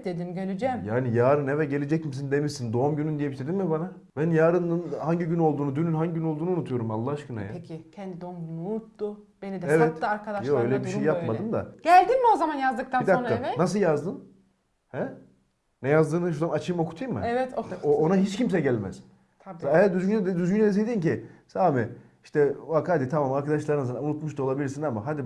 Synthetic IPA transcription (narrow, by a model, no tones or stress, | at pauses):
d̪̥ed̪imɟølʲyd͡ʒɛmjaːnijaːɾɯnevɛɟe̞lʲed͡ʒɛc̚mis̬ind̪e̞miʃsind̪o̞umɟynynd̪ijebiʃt̪ʰed̪immibana | bænjaːɾɯnɯnhaɲɟiɟyno̞lˠd̪uːnud̪ynynɦaɲɟiɟyno̞lˠuːnunut̪ʰujo̞ɾumalˠːahaʃkɯna̰jaicʰɛnd̪id̪oumɟynuunut̪ːʊ | b̥enid̪ɛevɛt̪ːaaɾkʰad̪aʃjoøjlʲɛbiʃejjapmad̪ɯmd̪a̰ɟ̥ælʲd̪inmio̞zamanjazd̪ɯk̚t̪ʰanid̪aoamɛnas̬ɯlˠjazd̪ɯm | hɛ | nɛjazd̪ɯːnɯʃud̪amat͡ʃʰɯjmo̞kʰu̥t̪ʰɯjɯmːɯ̰ɛvɛt̪ooonaɦit͡ʃcʰimsɛɟælʲmɛ̰z̥ʰ | aejæɾd̪yzɡynd̪ɛd̪yzɡynɛd̪es̬ejd̪iːmcisaːmɛ | iʃt̪ʰɛvakad̪it̪ʰamaːmaɾkad̪aʃlˠaɾɯnasɯnaunut̪muʃt̪uo̞lˠabilʲiɾsinamaɦad̪i